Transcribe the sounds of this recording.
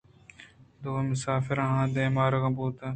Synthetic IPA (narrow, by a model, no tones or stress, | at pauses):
d̪oemʊsaːfɪɾaɦãːd̪eːmaːɾɣɐbuːt̪ɐ